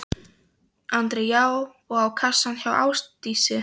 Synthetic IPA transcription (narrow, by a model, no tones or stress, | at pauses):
ant̪ɾɛjaːw | ɔɣawkʰasançawa̰wstt̪iːsɪ